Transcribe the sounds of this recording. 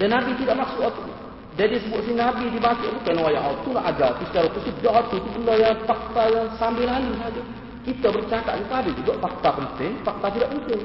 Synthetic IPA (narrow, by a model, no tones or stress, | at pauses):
dɛnːabit̪idaʔmaksuʔɔt̪u | dɛdisəbʊt̪sɪhnabidibat͡ʃuʔt̪ukanawajaŋɔt̪ulaʔad͡ʒalt̪usə̥t͡ʃaɾakusudaʔɔt̪ut̪ubəndɔjaŋfak̚t̪ajaŋsambɪlɦalusad͡ʒa | kit̪abərt͡ʃakat̪̚ɲat̪adid͡ʒuɡaʔfak̚t̪apənt̪ɪŋfak̚t̪at̪idaʔmut̪ʊl